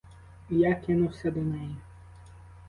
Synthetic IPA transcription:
jakɪnʊwsʲɐd̪ɔmɛji

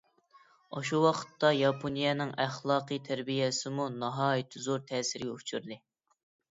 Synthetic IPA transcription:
ɑʃuwɑqʰə̥t̪ːɑjɑpʰonijɛnɪŋæχlˠɑːqɨjt̪ʰæɾbijɛsɪmunɑɦɑːjit̪ʰɪzoɾt̪ʰɛːsɪɾɡʲɛut͡ʃʰyɾd̪ɨ

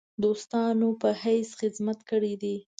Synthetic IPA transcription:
d̪ost̪ɑnopəhajsxɪd̪mat̪kəɽid̪i

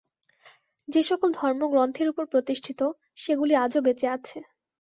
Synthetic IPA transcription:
d͡ʑeʃɔkold̪ʱɔɾmoɡɾont̪ʰeɾupoɾpɾot̪iʃʈʰit̪o | ʃeɡuliad͡ʑobet͡ɕeat͡ɕʰe

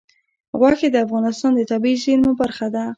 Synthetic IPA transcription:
ɣwaked̪əafɣɑnɪst̪ɑnd̪ət̪abizinmʊbaɾxad̪a

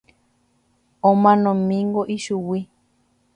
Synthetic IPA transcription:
õmãnõmĩŋɡoʔiʃuwi

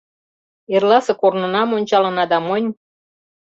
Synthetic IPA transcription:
erlɑsɤ̆kornɤ̆nɑmonʲt͡ɕɑlɤ̆nɑd̪ɑmɤnʲ

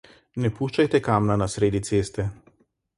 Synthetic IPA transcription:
nɛpuːʃt͡ʃajt̪ɛkaːmnanasɾeːd̪it̪seːst̪ɛ

